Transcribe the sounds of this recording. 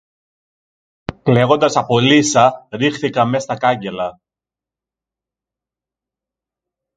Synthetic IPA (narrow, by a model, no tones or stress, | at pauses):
kle̞ɣo̞nd̪ɐsɐpo̞lisɐɾixθikɐme̞st̪ɐkɐɲɟe̞lɐ